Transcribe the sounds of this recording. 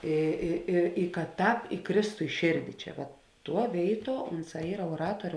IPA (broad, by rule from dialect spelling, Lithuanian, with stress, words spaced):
ˈiː ˈiː ɪ ɪ kɐ ˈtɑːp ɪˈkrʲeːstʊ ɪ ˈʃʲeːrʲdʲɪ ˈt͡ʃʲɛ ʋɐt ˈtuɔ ˈʋʲeːɪˌtuɔ ˈʊnˌsɑː ˈiːrɐ uɔˈrɑːtuɔrʲʊ